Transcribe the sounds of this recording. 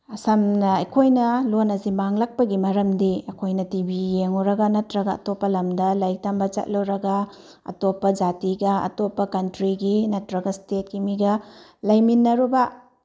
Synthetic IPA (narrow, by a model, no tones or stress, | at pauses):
ɐsɐmnɐɐjkʰojnɐlonɐzimaŋlɐk̚pɐɡimɐɾɐmdiɐkʰojnɐtibijeŋɔɾɐɡɐnɐtɾɐɡɐ̰ːtopːɐlɐmdɐlajk̚tambɐt͡ʃɐ̰t̚loɾɐɡa | ɐ̰topːɐd͡ʒatiɡɐɐ̰topːɐkɐntɾiɡinɐtɾɐɡɐstet̚ɡimiɡɐlajminːɐɾuba